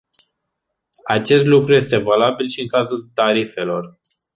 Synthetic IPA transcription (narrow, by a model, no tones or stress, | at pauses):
at͡ʃe̞st̪lukɾuje̞st̪e̞valabilʃiɨŋkazult̪aɾife̞lo̞r